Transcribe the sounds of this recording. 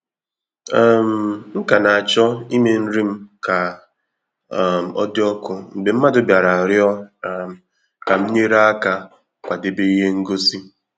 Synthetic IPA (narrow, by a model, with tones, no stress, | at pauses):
a˦˨m̩˨ŋ̩˦ka˨na˨a˨t͡ʃɔ˦i˦me˨n̩˦ɾi˦m̩˦ka˨ | m̩˨ɔ̰˦dɪ˦ɔ˦kʊ˦m̩˨be˨m̩˦ma˦dʊ˦bja˨ɾa˨ɾjɔ˦˨ | ka˨m̩˦ɲe˦ɾa˦a˦ka˦ | kʷa˨de˨be˦i˦ɦe˦ŋ̩˦ɡo˦si˦